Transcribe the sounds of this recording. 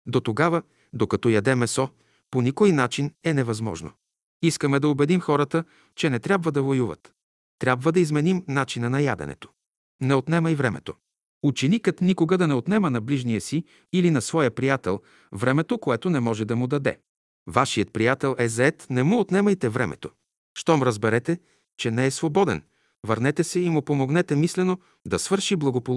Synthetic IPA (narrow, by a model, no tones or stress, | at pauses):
d̪ot̪oɡavə | d̪okɐt̪ɔjɐd̪ɛmɛsɔ | ponikojnat͡ʃinɛnɛvɐzmɔ̰ʒno̰ | iskəmɛd̪ɐobɛd̪imxɔɾət̪ə | t͡ʃɛnɛt̪ɾʲabvəd̪ɐvojuvə̰t̪ | t̪ɾʲabvəd̪ɐizmɛnimnat͡ʃinənɐja̰d̪ɛ̰nɛ̰t̪o̥ | nɛot̪nɛməivɾɛmɛ̰t̪o | ut͡ʃɛnikət̪nikoɡəd̪ɐnɛot̪nɛmənɐbliʒnijəsiː | linɐsvɔjəpɾijat̪ɛ̰lˠ | vɾɛmɛt̪okoɛt̪onɛmɔʒɛd̪ɐmʊd̪ɐd̪ɛ̰ | vaʃijət̪̚pɾijat̪ɛlˠʔɛzɐɛt̪nɛmuot̪nɛməjt̪ɛvɾɛ̰mʔɛ̰t̪o | ʃt̪ɔmɾəzbɛɾɛt̪ɛ | t͡ʃɛnɛɛsvobɔd̪ɛ̰n | vəɾnɛt̪ɛsɛimʊpomoɡnɛt̪ɛmislɛno | d̪ɐsvɤɾʃiblˠɐɡopo